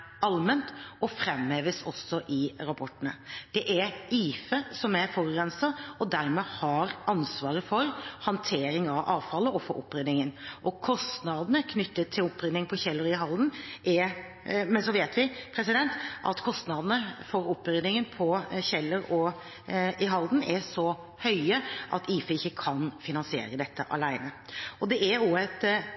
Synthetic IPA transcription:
ɑlmənt̪ɔfɾɛmheːʋəsɔ̰sːɔʔɪɾɑpʰɔʈːənəd̪̥ɛʔæɾiːfəsɔmæfɔɾɾɛnsəɔd̪æɾmɛːhɑɾɑnsʋɑːɾəfɔɾhɑnt̪ʰeːɾɪŋɑʋʔɑːʋfɑlːəɔfo̰ʔʊ̰pːɾʏnɪŋənʔɔkʰɔst̪nɑd̪ənəkʰnʏt̪ːət̪ʰːɪlʊpːɾʏnːɪŋpʰɔɕɛlːəɾɪɦɑlːn̩ʔɛ | mɛnsɔʋeːt̪ʋɪpʰɾɛsɪd̪ɛnt̪ʔɑ̰t̪kʰɔst̪nɑd̪ənəfɔɾʊpːɾʏnɪŋənpʰɔɕɛlːəɾɔ | ɪɦɑld̪n̩ɛsɔ | hœʏəʔɑt̪iːfəɪçːəkʰɑnfɪnɑnsɪḛːɾəd̪ɛt̪ʰːəʔɑ̰læɪnəɔd̪ɛʔɛɾoːɛt̪

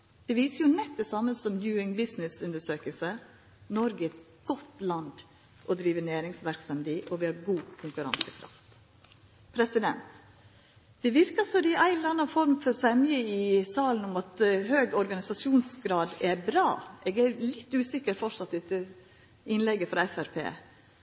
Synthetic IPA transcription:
d̪̥ɛʋiːsəɾjʊnɛt̪ːɛsɑmːənsɔmjʉːɪŋbɪsnɪsʉnd̪əʂøːkəlsə | nɔɾɡəɛt̪ | ɡ̥ɔt̪lɑnd̪ | ʔɔd̪ɾiːʋənæːɾɪŋsʋæɾksɑmd̪iːʔɔʋɪhɑɾɡuːkʰʊŋkʉɾɑ̰nsəkʰɾɑ̰ft̪ | pʰɾɛsɪd̪ɛnt̪ | d̪̥ɛʋɪɾkɑsɔɾɪʔæɪɾɑnːɑfɔɾmfɔɾsɛmjəɪsɑːln̩ʊmɑt̪høːɡɔɾɡɑnɪsɑsjuːnsɡɾɑːd̪ɛɾbɾɑːeːɡæɾlɪt̪ːʉːsɪkəɾfɔʂɑt̪ːɛt̪ːə | ɪnlɛɡːəfɾɑɛfæɾpʰḛː

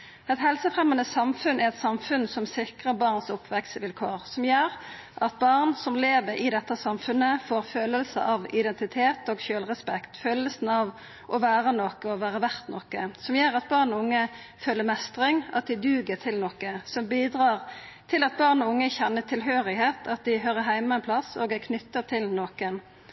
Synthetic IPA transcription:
ɛt̪hɛlsəfʁɛmːənəsɑmfʉnɛɛt̪sɑmfʉnsɔmsɪkʁəbɑːʁnsʊpʰʋɛksʋɪlkʰoːʁsɔmjøːʁ | ʔɑt̪̚bɑʁnsɔmleːʋəɾɪd̪ɛt̪ːəsɑmfʉnːəfoːʁføːləlsə̰ʔɑʋɪd̪ɛnt̪ɪt̪ʰeːt̪oːɡçøːlʁɛspɛkt̪føːləsn̩ɑʋ | ʔɔʋæːʁənokəɔʋæːʁəʋæʁt̪nɔkəsɔmjøːɾɑt̪̚bɑːʁnɔʊŋːə | føːlːəɾmɛst̪ʁɪŋɑt̪̚d̪ɪd̪ʉːɡət̪ʰɪlnɔkːəsɔmbiːd̪ɾɑːʁ | t̪ʰɪlɑt̪̚bɑʁnɔʊŋːəçɛnːət̪ʰɪlɦøːʁɪheːt̪ʰɑt̪̚d̪ɪɦøːɾəɦæɪmɑɛnpʰlɑsoːɡɛkʰnʏt̪ːət̪ʰɪlnoːkən

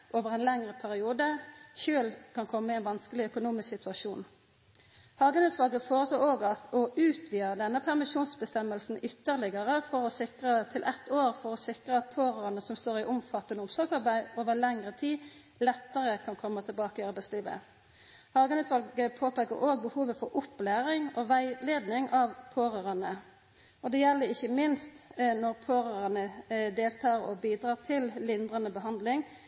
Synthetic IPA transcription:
ʔoːʋəʁɛnlɛŋʁəpʰæʁɪuːd̪əʃøːlkʰɑnkʰɔmːəɪɛnʋɑnskəlɪœkʊnuːmɪsksɪt̪ʰʉɑʃuːn | hɑːɡənʉːt̪ʋɑlɡəfoːʁəsloːʁoːɡɑt̪ɔʉːt̪ʰʋiːəd̪ɛnːəpʰæʁmɪʃuːnsbəst̪ɛmːəlsn̩ʏt̪ːəʁlɪɡəʁəfɔɾɔsɪkʁət̪ʰɪlʔɛt̪ːoːʁfɔɾɔsɪkʁəɑt̪̚pʰoːʁøːənəsɔmst̪oːʁɪʔʊmfɑt̪ːənəʊmsɔɾɡsɑʁbæɪoːʋəlɛŋʁət̪ʰiː | lɛt̪ːəʁəkʰɑnkʰɔmːɑt̪ʰɪlbɑːkəɪɑɾbæɪsliːʋə̰ | hɑːɡɑnʉːt̪ʋɑlɡəpʰoːpeːkə̰ɾoːɡ̚bəhuːʋəfɔɾʊpːlæːɾɪŋɔʋæɪleːd̪nɪŋʔɑʋpʰoːɾøːʁɑnə | ɔd̪ɛjɛlːəɪçːəmɪnst̪nɔʁpʰoːɾøːʁɑnəd̪eːlt̪ʰɑːɾɔ̰biːd̪ʁɑːt̪ʰɪllɪnd̪ʁɑnəbəɦɑnd̪lɪŋ

